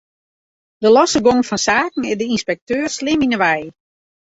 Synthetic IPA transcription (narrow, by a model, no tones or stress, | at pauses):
dəlɔsəɡoŋfɔnsaːkŋ̩ɪdəinspɛk̚tøːrslɪminəʋɛj